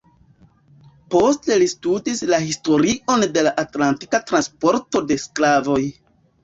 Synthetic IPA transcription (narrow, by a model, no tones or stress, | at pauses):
po̞ste̞listudislahisto̞ɾiʔo̞nde̞laʔatlanti̥katɾanspo̞ɾto̞de̞sklavo̞j